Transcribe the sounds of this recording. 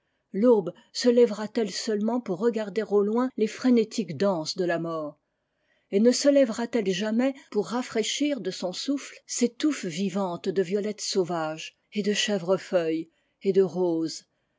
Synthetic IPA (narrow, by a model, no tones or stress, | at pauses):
lob | səlɛvʁat̪ɛlsœlmɑ̃puʁːəɡaʁd̪eʁolwɛ̃lefχɛnet̪ʰikd̪ɑ̃sd̪əlamɔːʁ | enəsəlɛvʁat̪ɛlʒamɛpuʁːafχeʃiʁd̪əsɔ̃suflset̪ufvivɑ̃t̪d̪əvjɔlɛt̪sovaʒ | ed̪əʃɛvʁəfœj | ed̪əʁoz